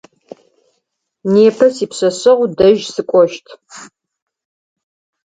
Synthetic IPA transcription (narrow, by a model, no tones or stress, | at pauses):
neːpʰɐsiːpɕɐɕʼɐʁʷdɐʒsɨkʷʼɔʃtʰ